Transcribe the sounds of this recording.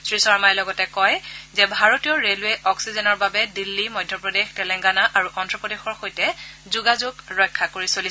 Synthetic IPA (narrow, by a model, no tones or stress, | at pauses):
sɹisɔɹmajɛlɔɡɔtɛkɔjzɛbʱaɹotijɔɹelʊeʔɔksizɛnɔɹbabɛdilːimɔjdʱjɔpɹɔdextɛlɛŋɡanaʔaɹuʔɔndɹɔpɔdexɔɹxojtɛzuɡazʊɡɹɔjkʰːakoɹisoli